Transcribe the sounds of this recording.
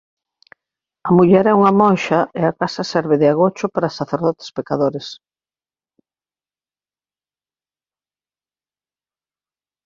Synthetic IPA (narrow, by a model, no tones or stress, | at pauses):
ɐmuʎɛɾɛuŋɐmonʃɐeakasɐsɛɾβɪðɪaɣot͡ʃʊpaɾasaθeɾðɔt̪e̥spekaðoɾes